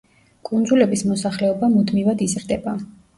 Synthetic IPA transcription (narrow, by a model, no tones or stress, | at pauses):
kʼund̪zulɛbismɔsaχlɛɔbamud̪mivad̪izɾd̪ɛba